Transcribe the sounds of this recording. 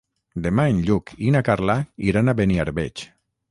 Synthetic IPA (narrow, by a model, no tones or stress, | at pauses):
d̪emaenʎukʰinakaɾlaiɾanaβeniaɾβet͡ʃ